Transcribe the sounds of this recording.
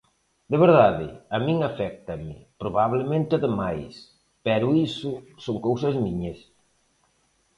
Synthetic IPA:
d̪eβeɾðaðɪ̰ɐmiŋafɛk̚t̪ɐmɪpɾoβaβlemẽnt̪aðɪmajs | pɛɾʊisʊsoŋkowsɐzmiɲɐs

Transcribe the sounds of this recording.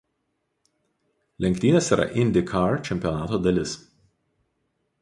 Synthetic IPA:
lʲɛŋk̚ʲt̪ʲiːnʲeːsiːɾʔɐ̰ʔɪnʲd̪ʲɪkʰɑɾt͡ʃʲɛmʲpʲijɔnɑːt̪oːd̪ɐlʲɪs

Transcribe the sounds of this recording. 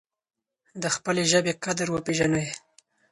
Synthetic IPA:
d̪əxpəleʒəbeqad̪əɾwəpeʒanəj

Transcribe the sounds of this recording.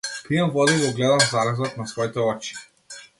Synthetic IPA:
kɾijamvɔd̪iɡɔɡlɛd̪amzalɛzɔt̪nasvɔit̪ɛɔt͡ʃi̥

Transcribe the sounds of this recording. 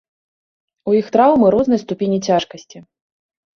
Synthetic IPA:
ujixt̪ɾawmɨɾɔznɐjst̪upʲenʲit͡sʲaʂkɐsʲt͡sʲi

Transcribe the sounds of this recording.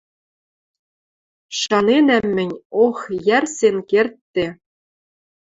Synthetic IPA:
ʃɑnenæmːɘ̆nʲoxjærsenkert̪ːĕ

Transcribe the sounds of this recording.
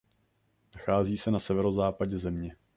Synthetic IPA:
naxaːziːsɛnasɛvɛɾozaːpaɟɛzɛmɲɛ

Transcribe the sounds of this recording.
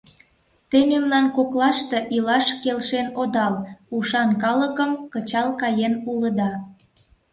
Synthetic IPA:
t̪ememnɑnkoklɑʃt̪e̽ʔilɑʃkelʃenod̪ɑluʃɑnkɑləkəmkət͡ɕɑlkɑjenuləd̪ɑ

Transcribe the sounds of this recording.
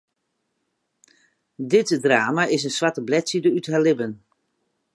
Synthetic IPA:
dɪtdraːmaɪsənsʋatəblɛtsidəythalɪbən

